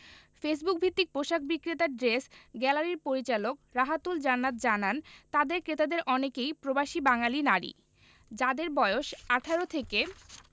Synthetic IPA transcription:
fes̬buk̚bʱit̪ːik̚pɾoʃakʰbikɾit̪aɖɾesɡɛlaɾiɾpoɾit͡ɕalokɾaɦat̪uld͡ʑanːat̪d͡ʑanant̪ad̪eɾkɾet̪ad̪eɾʔɔnekejpɾobaʃibaŋalinaɾḭ | d͡ʑad̪eɾbɔeoʃaʈʰaɾot̪ʰeke

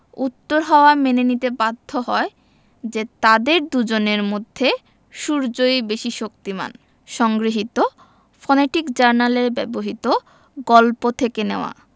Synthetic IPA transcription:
ut̪ːoɾɦɔoamenenit̪ebad̪ʱːoɦɔe | d͡ʑet̪ad̪eɾd̪ud͡ʑoneɾmod̪ʱːe | ʃuɾd͡ʑojbeʃiʃok̚t̪ima̰n | ʃɔŋɡɾiɦit̪o | fɔneʈikd͡ʑaɾnaleɾbɛboɦit̪o | ɡɔlpot̪ʰekeneoa̰

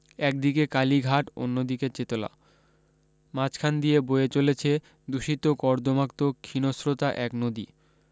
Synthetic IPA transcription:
ɛk̚d̪ikekaliɡʱaʈo̰nːod̪iket͡ɕet̪ola̰ | mãt͡ɕkʰand̪iebojet͡ɕolet͡ɕʰe | d̪uʃit̪okɔɾd̪omak̚t̪okʰːinosɾot̪aʔɛknod̪ḭ

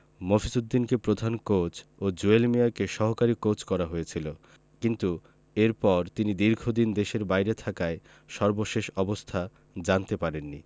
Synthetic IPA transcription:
mofʰisud̪ːinkepɾod̪ʱankot͡ɕod͡ʑuelmijakeʃɔɦokaɾikot͡ɕkɔɾaɦojet͡ɕʰilo | kint̪u | eɾpɔɾt̪inid̪iɾɡʱod̪ind̪eʃeɾbajɾet̪ʰakae | ʃɔɾboʃeʃɔbost̪ʰa | d͡ʑant̪epaɾenːi

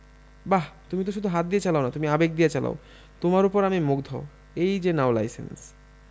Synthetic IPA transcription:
bat̪umit̪oʃ̬ud̪ʱuɦat̪̚d̪iet͡ɕalaonat̪umiabek̚d̪ijet͡ɕala̰o̰ | t̪omaɾupoɾamimukd̪ʱoo | ejd͡ʑenaola̰jsḛns

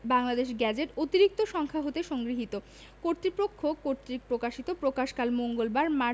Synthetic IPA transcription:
baŋlad̪eʃɡɛd͡ʑeʈot̪iɾik̚t̪oʃɔŋkʰaɦot̪eʃɔŋɡɾiɦit̪o | koɾt̪ɾipɾokʰːokːoɾt̪ɾipɾokaʃit̪opɾokaʃkalmoŋɡolbaɾma

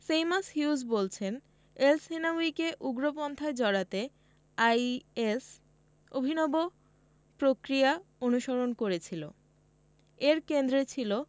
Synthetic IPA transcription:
fejmashjusbolt͡ɕʰen | elsenawikeʔuɡɾopɔnt̪ʰaed͡ʑɔɽat̪e | ajes | obʱinɔbo | pɾokɾiaonuʃoɾonkoɾet͡ɕʰilo | eɾkend̪ɾet͡ɕʰilo

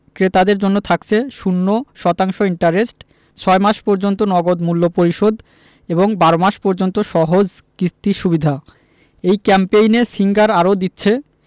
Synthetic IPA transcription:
kɾet̪ad̪eɾd͡ʑonːot̪ʰakt͡ɕʰeʃunːoʃɔt̪aŋʃoiɳʈaɾesʈ | t͡ɕʰɔemaʃpɔɾd͡ʑont̪onɔɡod̪mulːopoɾiʃod̪ | eboŋbaɾomaʃpɔɾd͡ʑont̪oʃɔɦod͡ʑkɾit̪iʃubid̪ʱa | ejkɛmpejnesiŋɡaɾaɾod̪itːɕʰe

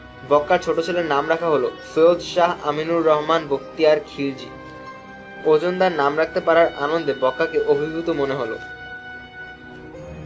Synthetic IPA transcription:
bɔkːaɾt͡ɕʰoʈot͡ɕʰeleɾnamɾakʰaɦolofeod̪ʃaɦa̰minuɾːɔɦmanbokt̪iaɾkʰild͡ʑḭ | od͡ʑond̪aɾnamɾak̚ʰt̪epaɾaɾʔanond̪ebɔkːakeʔobʱibʱut̪omoneɦolo̰

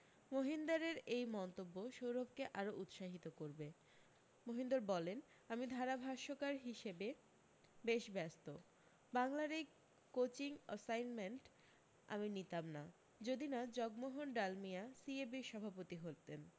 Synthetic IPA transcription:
moɦind̪aɾeɾejmɔnt̪obːoʃowɾobkeʔaɾoʔut̪ʃaɦit̪okoɾbe | moɦind̪oɾbɔlen | amid̪ʱaɾabʱaʃokaɾɦiʃebe | beʃbɛst̪o | baŋlaɾe | kot͡ɕiŋəsajnmeɳʈ | a̰minit̪amna | d͡ʑod̪inad͡ʑɔɡmoɦonɖalmijasiebiʃɔbʱapot̪iɦolt̪en

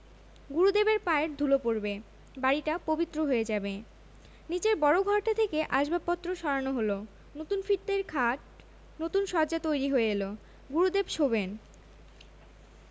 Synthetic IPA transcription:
ɡuɾud̪ebeɾpaeʈ̚d̪ʱulopoɾbe | baɾiʈapobit̪ːɾoɦoed͡ʑabe | nit͡ɕeɾbɔɾoɡʱɔɾʈat̪ʰekeʔaʃbʱapːɔt̪ːɾoʃɔɾanoɦolo | not̪unfiʈd̪eɾkʰaʈ̚ | not̪unʃɔd͡ʑat̪ojɾiɦoeelo | ɡuɾud̪ebʃoben

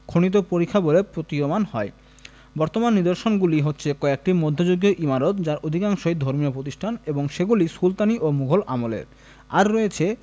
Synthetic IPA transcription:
kʰonit̪̬opoɾikʰːabolepɾot̪iomanɦɔe | bɔɾt̪omanːid̪oɾʃonɡuliɦotːɕʰekɔek̚ʈimod̪ʱːod͡ʑoɡjoʔimaɾot̪d͡ʑaɾod̪ʱikaŋʃoed̪ʱoɾmiopɾot̪̬iʃʈʰaneboŋʃeɡulisult̪aniʔomuɡʱolʔamolḛɾ | a̰ɾːɔet͡ɕʰe

